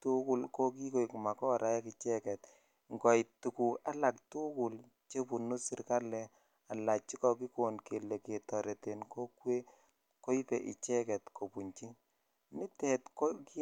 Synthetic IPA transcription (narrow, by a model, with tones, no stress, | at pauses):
tu˦kʊ˦lko˦k̬i˦ko˦i˨kma˨kɔ˦ɾa˦jɛ˦ki˨t͡ʃɛ˦kɛ˨t | ŋɡɔ˨i˨tu˨ku˨ka˦la˨ktu˦kʊ˨l | t͡ʃe˦pu˨nu˦sɪ˦ɾka˦lɛ˨ | a˨la˨t͡ʃi˦kɔ˨ki˦ko˨nke˨lɛ˨ke˨tɔ˨ɾɛ˨te˨nko˦kwe˦ | ko˦i˦pɛ˨ʔḭ˨t͡ʃɛ˦kɛ˨tko˨pu˨ɲt͡ʃi˦ | mɪ˦tɛ˨tko˦ki˦